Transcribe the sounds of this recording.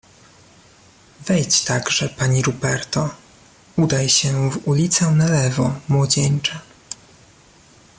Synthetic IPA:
vɛjt͡ɕt̪aɡʐɛpaɲiɾubɛɾt̪ɔ | ud̪ajɕɛvulʲit̪sɛnalɛvɔmwɔd͡ʑɛɲt͡ʂɛ

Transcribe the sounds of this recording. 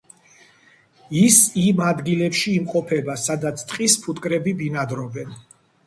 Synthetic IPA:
isimad̪ɡilɛpʃiːmqʼɔpʰɛbasad̪at̪sʰt̪ʼqʼispʰut̪ʼkʼɾɛbibinad̪ɾɔbɛn

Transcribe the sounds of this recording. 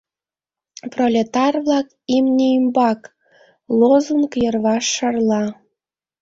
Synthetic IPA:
prolʲet̪ɑrβlɑk | imnʲeimbɑk | lozunkjərβɑʃːərlɑ

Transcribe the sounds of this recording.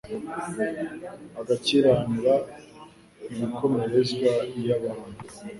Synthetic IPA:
aɡaciɾaːniɾa | imiko̞meɾezɡajaβaːnu

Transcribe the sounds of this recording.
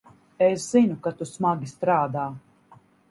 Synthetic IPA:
esz̥inukat̪usmaɡʲist̪ɾaːd̪aː

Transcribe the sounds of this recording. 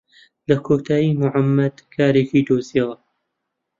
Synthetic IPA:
lɐkʰoːt̪ʰaːjiːmʊʕamːɐd̪̥kʰaːɾeːkiːd̪oːzija

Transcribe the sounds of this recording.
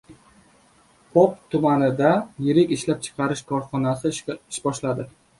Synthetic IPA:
pʰɒp̚t̪ʰʊmanɪd̪ajɪɾɪkʲɪʃlap̚t͡ʃʰɨ̥qʰɑɾɪʃkʰɒɾχɒnasɪɪʃbɒʃlad̪ɪ

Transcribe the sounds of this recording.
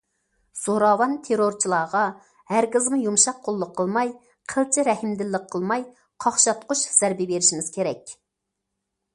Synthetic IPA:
soɾɑwɑnt̪ʰeɾoɾt͡ʃʰilˠɑːʁɑ | hæɾkʲɪzmujumʃɑqʰːolˠːʊqʰːəlˠmɑj | qʰəlˠt͡ʃʰiɾɛhɪmd̪ɪlːɪqʰːəlˠmɑj | qʰɑχʃɑt̪qʊʃz̥æɾbɪbeɾɪʃimɪz̥kʲʰeɾɛkʲ

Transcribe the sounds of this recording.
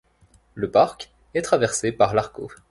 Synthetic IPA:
ləpaʁk | ɛt̪χavɛʁsepaʁlaʁko

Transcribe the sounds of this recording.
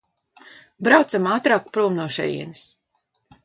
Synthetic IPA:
bɾawt̪samaːt̪ɾaːkpɾuːmnuɔʃɛ̰jḭɛnis

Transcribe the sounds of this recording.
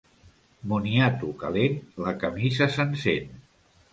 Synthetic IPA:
muniat̪uka̰lenləkəmizəsənsen

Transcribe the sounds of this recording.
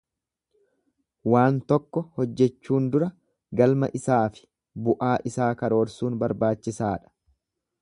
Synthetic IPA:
waːnt̪ɔkːɔhɔd͡ʒːɛt͡ʃːuːnd̪ʊɾɐ | ɡɐlmɐ̰ʔɪsaːfɪ̥ | bʊʔaːʔɪsaːkɐɾo̞ːɾsuːnbɐɾbaːt͡ʃːɪsaːᶑɐ̥

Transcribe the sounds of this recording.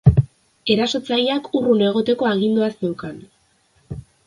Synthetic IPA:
e̞ɾaso̞t͡sajakurune̞ɣ̞o̞t̪e̞ko̞aɣ̞ind̪uasnewkan

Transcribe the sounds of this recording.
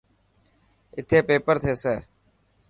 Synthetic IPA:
ɪt̪ʰeːpeːpəɾt̪ʰeːseː

